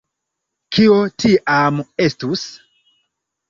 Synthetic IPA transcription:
kʰiotʰiʔamestus

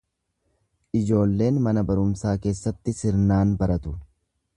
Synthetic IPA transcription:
ʔɪd͡ʒo̞ːlːe̞ːnmɐnɐbɐɾʊmsaːke̞ːsːɐt̪ːɪsɪɾnaːnbɐɾɐt̪ʊ̥

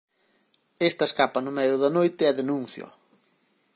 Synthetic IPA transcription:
est̪ɐeskapɐnʊmɛjʊðɐnojt̪ɪɛðenũn̟θjo̰

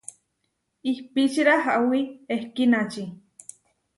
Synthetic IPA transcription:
ihpit͡ʃiɾaɦaʔwiehkinat͡ʃi

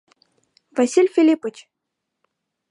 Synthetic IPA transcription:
vasʲilʲfʲilʲipɤ̆t͡ɕ

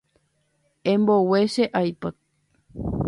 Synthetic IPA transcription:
ẽmboweʃeʔajpak̚

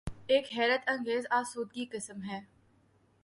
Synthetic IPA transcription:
eːkɦɛːɾət̪ɐ̃ŋɡeːzaːsuːd̪̚ɡikɪsəmɦɛː

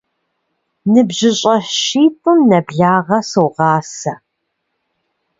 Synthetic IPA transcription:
nɨbʑɪɕʼɐʃiːtʼɨmnɐbɮaːʁɐsoʁɑːsɐ

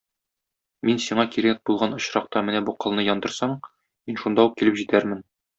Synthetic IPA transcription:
minsiɴɑkiɾæk̚bulˠʁɑnŏɕɾɑq̚t̪ɑmɘnæbuqɤ̆lˠnɤjɒnd̪ɤ̆ɾsɑɴ | minʃund̪ɑuq̚kilɘpʑit̪æɾmɘn

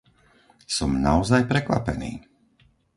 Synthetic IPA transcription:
sɔmna̰ɔzajpɾɛkʋa̰pɛnḭː

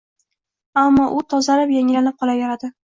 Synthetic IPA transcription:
amːɒʔʊt̪ʰɒzalapjaŋɪlanɪp̚qʰɒlajaɾad̪ɪ

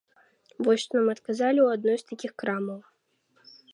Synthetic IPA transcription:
vɔjsʲt̪ɔnamɐt̪kazalʲiwad̪̚nɔjst̪akʲixkɾamɐw

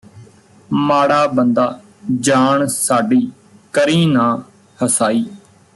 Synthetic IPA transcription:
maːɽaːbənd̪aː | d͡ʒaːɳsaːɖiː | kəɾĩːnãː | həsaːiː

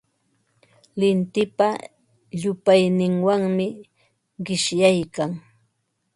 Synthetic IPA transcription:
lɪnt̪ɪpa | ʎʊpajnɪŋwaŋmɪ | ɢɪʃjajkaŋ

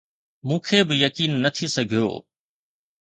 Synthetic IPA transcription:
mũːkʰeːbɪjɐkiːnːɐt̪ʰisɐɡʱijo̰ː

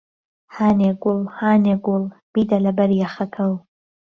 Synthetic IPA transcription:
haːneɡʊlˠhaːneɡʊlˠb̥iːd̪ɐlɐbɐɾjaxɐkʰɐw

